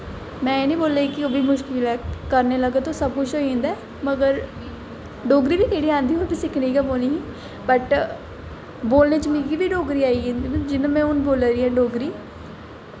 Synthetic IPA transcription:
mɛ̃ːeːnĩːboːleːiːkɪoːbiːmʊʃkɪlɛːkəɾneːləɡeːt̪osəb̚kʊt͡ʃʰɦoːĩːnd̪ɛː | məɡəɾ | ɖoːɡɾiːbiːkeːɽiːãːnd̪iːɦoːbiːsɪkʰniːkəboːniːɦĩː | bəʈ | boːlneːt͡ʃəmiɡibiːɖoːɡɾiːaːiːẽnd̪id͡ʒɪnãːmɛ̃ːʊnboːlaːɾiːɛ̃ːɖoːɡɾiː

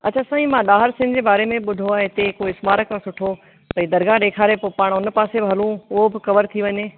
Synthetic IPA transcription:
ɐ̰t͡ɕʰaːsãːĩmãɗaːɦɪɾsɪ̃nd͡ʑeːbaːɾemẽɓʊd̪ʱoɛ̃ːɪt̪ekoːɪsmaːɾəkʰːãsʊʈʰo | p̪ɐĩd̪ɐɾɡãɗeːkʰaːɾepopaːɽ̃ʊnpaːsebɪɐlũʊɦobɪxɐʋəɾt̪ʰiʋɐɲeː

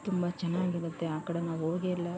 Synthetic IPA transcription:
t̪umbɐt͡ʃɛnːaːɡiɡɐt̪ːeaːkɐɽenaoːɡeilːɐ

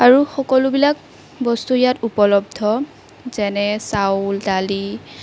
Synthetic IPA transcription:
aɹuxɔkɔlʊbilak̚ | bɔstujatupɔlɔbdʱɔ | z̥ɛnɛsawltali

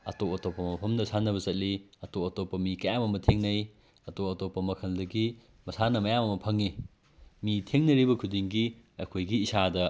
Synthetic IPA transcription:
ɐ̰topɐtopːɐmɐpʰɐmdɐsanːɐβɐzɐt̚liɐtopɐtopːɐmikɐjamɐmɐtʰeŋnɐj | ɐtop̚ɐtopːɐmɐkʰɐldɐɡi | mɐsanɐmɐjamɐmɐpʰɐŋi | mitʰeŋnɐɾibɐkʰudiŋɡiɐ̰jkʰojɡiːsadɐ

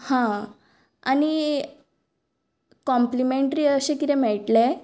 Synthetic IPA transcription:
hã | a̰ñi | kɔmplimeɳʈɾiəɕekit̪ɛmɛɭʈle

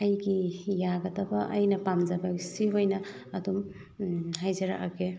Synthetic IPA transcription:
ɐjɡijaɡɐtɐbɐʔɐ̰jnɐpamd͡ʒabaɡisiɦojnɐː | dum | hajzɐɾa̰ka̰ke

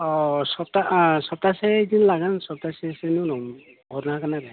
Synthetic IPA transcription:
ɔsɔp̚tasɔb̚tasɛdinlaɡansɔp̚tasesenunɔm | bɔɾnɦakanaɾɛ

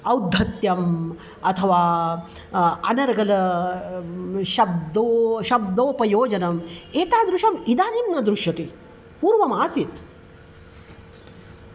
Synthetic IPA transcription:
ɐwd̪ʱːɐt̪jɐm | ɐt̪ʰɐʋaː | ɐnɐɾɐɡɐlɐ | ʃɐbd̪oːʃɐb̚d̪oːpɐjoːd͡ʒɐnɐmeːt̪aːd̪ɾuʃɐmid̪aːnimnɐd̪ɾuʃjɐt̪i | puːɾʋɐmaːsit̪

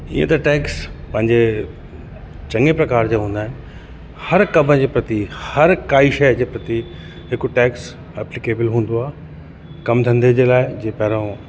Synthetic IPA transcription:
ḭḛ̃t̪ɐʈɛːkspɐ̃ɦɪ̃ɲd͡ʑe | t͡ɕɐ̃ŋepɾɐkaːɾd͡ʑaːɦũːnd̪aːɦɪnɪ | hɐɾkɐbʱəd͡ʑeːpɾɐt̪ihɐɾkaːiʃɛd͡ʑeːpɾɐt̪i | ɦɪkʊʈɛːks | ɛːplɪkeːbɪlɦũːn̆d̪oaː | kɐmd̪ʱɐ̃nd̪ed͡ʑeːlaːɪd͡ʑeːpɐɦɪɾõ

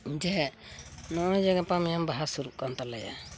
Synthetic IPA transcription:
d͡ʒɛɦɛnɔnɛd͡ʒaɡapamɛjambaɦasuɾuʔ̚kant̪alɛja̰

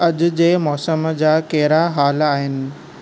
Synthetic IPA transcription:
ɐʄʊ̆d͡ʑeːmɔːsəmd͡ʑaːkɛɦɪɾaɦaːlaːɦɪnɪ̆

